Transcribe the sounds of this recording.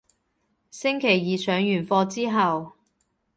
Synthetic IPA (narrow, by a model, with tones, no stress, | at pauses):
sɪ˥ŋkʰe˨˩jjiː˨sœː˨˧ŋjyː˨˩nfɔː˧t͡siː˥ɦɐ˨w